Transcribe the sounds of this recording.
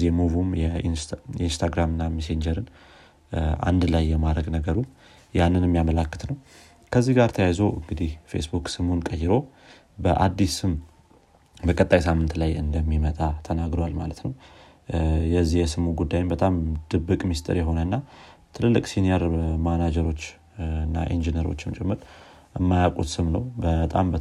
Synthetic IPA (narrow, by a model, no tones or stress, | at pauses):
zimuvumjɛnjɛinst̪ʰaɡɾamɨnːamisend͡ʒəɾɨn | a̰nd̪lajːɛmad̪ɾəɡnəɡəɾu | janːɨnɛmːijamələkːɨ̥t̪nəw | kʰəzːihɡaɾt̪ʰəjajzoʔɨŋɡɨd̪ihfḛsbukʼsɨmunkʼəjːɪɾo̞ | bəʔad̪ːisɨm | bəkʼət̪ʼːajsamːɨnt̪lajɨ̰nd̪əmːimət̪ʼat̪ʰənaɡɾowalmalət̪nəw | jɛzːijɛsɨmuɡud̪ːajɪmbət̪ʼamd̪̥ɨbːɨkʼmist̪ʼɨ̰ɾjɛɦo̞nənːat̪ʰɨlɨlːɨkʼsinijeɾmanad͡ʒəɾo̞t͡ʃː | ɨnːa̰ʔind͡ʒinəɾo̞̰t͡ʃːɪmt͡ʃʼɛmːɨɾ | əmːajakʼot̪sɨmnəwbət̪ʼa̰mbə